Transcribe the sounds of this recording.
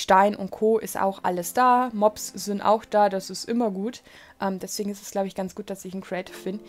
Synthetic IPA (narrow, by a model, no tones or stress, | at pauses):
ʃtaɪnʊ̰nt̚kʰoːʔɪsta̰ʊxʔa̰ləsd̥aːmɔpsz̥ɪntʔa̰ʊxd̥aːdasɪstʔɪmɐɡuːt | ʔɛːmdɛsv̥eːɡŋ̩ɪstɛ̥sɡ̥laʊbəɪçɡ̥ant͡sɡ̥uːt̚d̥asɪçn̩kʰɹiɛɪtʰɪ̥fb̥ɪnd